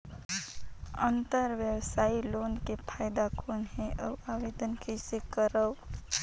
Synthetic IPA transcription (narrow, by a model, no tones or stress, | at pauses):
ə̃nt̪əɾʋjəwsaːiloːnkepʰaːjd̪akʰɔːnɦɛʔəaːʋeːd̪ənkisekəɾəw